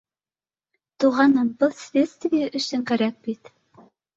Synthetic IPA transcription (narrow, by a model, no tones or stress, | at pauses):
t̪uʁɑnɤmbɤlˠsvʲet̪st̪vʲijæʔɵ̆sɵŋkæɾæk̚bit̪